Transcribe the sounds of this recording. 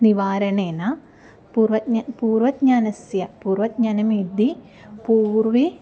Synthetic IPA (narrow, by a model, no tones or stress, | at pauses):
niʋaːɾɐneːna | puːrʋɐt̪̚ɲapuːrʋɐt̪̚ɲaːnɐsjɐpuːrʋɐt̪̚ɲaːnɐmiːd̪i | puːrʋi